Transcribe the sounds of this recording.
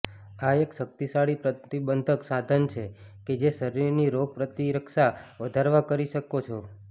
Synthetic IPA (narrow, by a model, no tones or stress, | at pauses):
aekʃək̚t̪isaɽipɾət̪ibənd̪ʱəksad̪ʱənt͡ʃʰeked͡ʒesəɾiɾniɾopɾət̪iɾəkʃaʋəd̪ʱaɾʋakəɾiʃəkot͡ʃʰo